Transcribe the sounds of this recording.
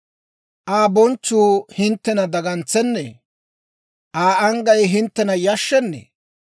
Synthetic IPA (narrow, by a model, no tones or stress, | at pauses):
ʔaːbɔnt͡ʃːuːhɪnt̪ːɛnɐd̪ɐɡɐnt͡sːɛnːḛː | ʔaːʔɐŋɡɐjɦɪnt̪ːɛnɐjɐʃːɛnːḛː